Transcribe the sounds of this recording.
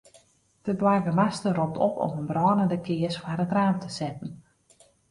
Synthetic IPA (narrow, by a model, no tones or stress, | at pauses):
d̥əbwajɡəmastərɔp̚tʰɔ̰pʰɔ̰mənbrɔːnəndəkʰɪəsfaɾətraːmtʰəsɛtən̩